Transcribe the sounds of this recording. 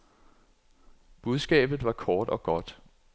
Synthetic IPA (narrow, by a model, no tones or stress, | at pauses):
b̥uð̞ˠsɡ̥ɛ̰ːb̥ð̩ˠʋɑ̈kʰɒːd̥ɒ̽ɡ̥ɒ̽d̥